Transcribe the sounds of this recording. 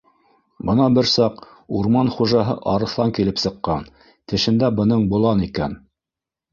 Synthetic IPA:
bɤnɑbɘɾsɑq | uɾmɑnχuʒɑɦɤ̰ʔɑɾɤ̆θlˠɑŋkilɘpsɤ̆qːɑn | t̪ɘ̆ʃɘ̆nd̪æbɤ̆nɤɴbŭlˠɑnikæn

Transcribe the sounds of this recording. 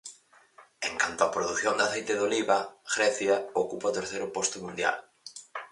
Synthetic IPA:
eŋkant̪oɐpɾoðuθjond̪ɐaθejt̪ɪðoliβɐɣɾɛθjɐokupaot̪eɾθejɾʊpɔst̪ʊmũnd̪ja̰l

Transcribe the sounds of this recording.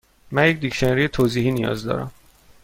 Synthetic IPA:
mænjec̚ʰd̪icʃeneɾijet̪ʰoːziːɦiːnijɒ̰ːzd̪ɒ̰ːɾæ̰m

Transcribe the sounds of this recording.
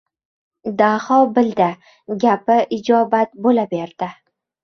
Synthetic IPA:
d̪ahɒbɪld̪ɪ | ɡʲapɪʔɪd͡ʒɒbat̪bolabe̞ɾd̪̥ɪ

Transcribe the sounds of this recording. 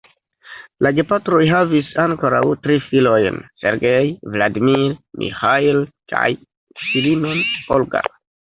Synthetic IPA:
laɡe̞patɾo̞jɦavisaŋko̞ɾawtɾifilo̞jnse̞̰ɾɡejvladimiɾmʔḭxailkʰa̰j | silimonolɡa̰

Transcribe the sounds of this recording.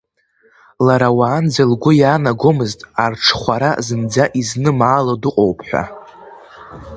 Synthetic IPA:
laɾawaːnd͡zalɡʷʊjaːnaɡʷo̞mɨztʼarʈ͡ʂʰχʷaɾazɨnd͡zaʔiznɨmaːlodɨqʼowpʰħʷᶣa̰

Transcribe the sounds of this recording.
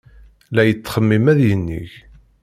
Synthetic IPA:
læjət͡sːχəmːimæðjənːḭç

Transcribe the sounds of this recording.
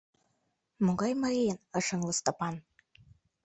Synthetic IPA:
moɣɑjmɑɾijenɤ̆ʃə̆ŋlɤ̆st̪ŏpɑn

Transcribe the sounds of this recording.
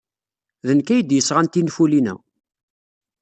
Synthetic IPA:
ðənkæjəd̪jəsːʁant̪infulinæ̰

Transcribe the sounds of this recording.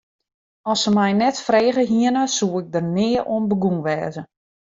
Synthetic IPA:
ɔsəmɛjnɛtfreːɣəɦiənəsuːɪɡ̚dərnɪərʔoənbəɡunʋɛːzə

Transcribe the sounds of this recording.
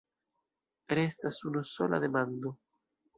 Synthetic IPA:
ɾest̪asunusola̰ðemãnd̪o

